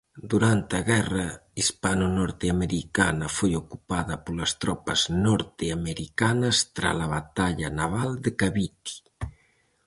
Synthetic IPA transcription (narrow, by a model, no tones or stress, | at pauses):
d̪uɾant̪ɐɣɛrɐispanunɔɾt̪eameɾikanɐfojokupaðɐpolɐst̪ɾɔpɐznɔɾt̪eameɾikanɐst̪ɾa̰laβat̪aʎɐanaβald̪ekaβit̪i̥